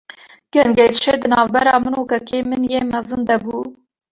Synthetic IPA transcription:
ɡ̥ɛmɡɛjt̪ʃed̪ɨnɑːvbɛɾɑːmɨnokɛkeːmɨnjeːmɛzɨnd̪ɛbuː

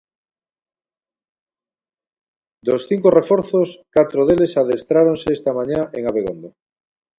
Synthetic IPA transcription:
d̪osθiŋkorefoɾθoskat̪ɾoðelesaðest̪ɾaɾonseest̪amãɲaʔeŋaβeɣond̪a

